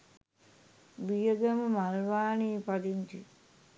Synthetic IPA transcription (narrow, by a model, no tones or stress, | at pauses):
bijəɡəməmalʋaːniːpad̪int̪i